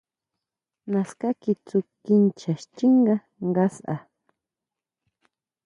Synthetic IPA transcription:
naskakɪt͡sʊkɪnt͡ʃaʃt͡ʃɪŋɢɑ | ɢɑsʔa̰

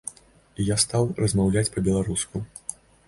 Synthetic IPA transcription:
ijast̪awrɐzmawlʲat͡sʲpɐbʲɛlˠaɾusku

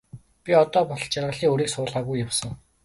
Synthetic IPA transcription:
pʲiɔt̪ɔːpɔɮt͡ɕarʁə̆ɮiːŋɵɾiːksʊːɮʁaːɣujːawsə̆ŋ

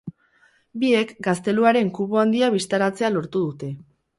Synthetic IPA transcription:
bie̞kɡast̪e̞luaɾe̞ŋkuβuand̪iaβist̪aɾat͡se̞alo̞ɾt̪uðut̪e̞

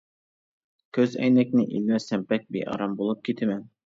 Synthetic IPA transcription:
kʲʰɵzæ̰jnæknɪʔilmæsæmpæk̚bḭʔɑ̰ɾɑmbulˠɤp̚kʲʰit̪ʰɘmæn

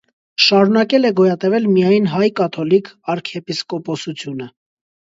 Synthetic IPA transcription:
ʃɑɾunɑkɛlɛɡɔjɑt̪ɛvɛlmijɑjnɦɑjkɑt̪ʰɔlikʰɑɾkʰɛpiskɔpɔsut͡sʰjunə

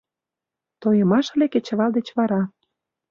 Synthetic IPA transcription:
t̪ojə̆mɑʃ̆leket͡ɕə̆βɑld̪et͡ɕβɑɾɑ

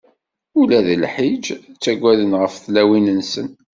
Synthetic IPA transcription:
ulæðəlħid͡ʒt͡sːæɡʷːæðənʁəfθlæwinənsən

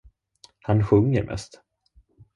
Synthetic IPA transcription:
hanɧɵŋːəɾmʔɛ̰st̪

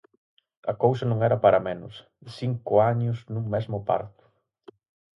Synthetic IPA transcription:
ɐkowsɐnũŋɛɾɐpaɾɐmẽnʊs | siŋkʊaɲʊznũŋmezmʊpa̰ɾt̪ʊ̥

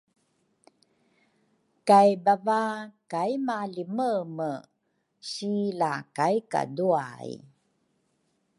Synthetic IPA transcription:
kajbavakajmaliməmə | ɕilakajka̰dua̰j̰

